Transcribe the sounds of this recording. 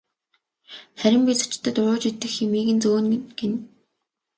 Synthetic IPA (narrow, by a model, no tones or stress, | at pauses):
χæɾʲɪ̆mpʲiːt͡sḁt͡ɕʰt̪ʰːə̆t̪ʊɾʊːt͡ɕit̪ːɘ̆ximiːɣɘ̆nt͡soːnɡen